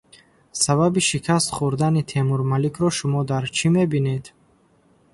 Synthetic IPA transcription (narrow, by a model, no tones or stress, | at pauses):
saβabiʃikʰast̪χuɾd̪anit̪ʰe̞muɾmalikʰɾɔʃumɔd̪aɾt͡ʃʰime̞bine̞d̪